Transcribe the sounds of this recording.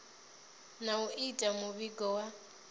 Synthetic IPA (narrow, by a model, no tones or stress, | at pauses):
nauʔitʼamʊβiɡɔwa